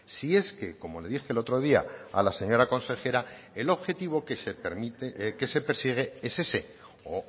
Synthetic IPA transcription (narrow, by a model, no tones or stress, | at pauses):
sie̞ske̞ko̞mo̞le̞ðixelo̞t̪ɾo̞ð̞iaa̰lase̞ɲo̞ɾako̞nse̞xe̞ɾa | e̞lo̞βxe̞t̪iβ̞o̞kesepeɾmit̪eke̞se̞peɾsiɣ̞e̞e̞se̞se̞ | o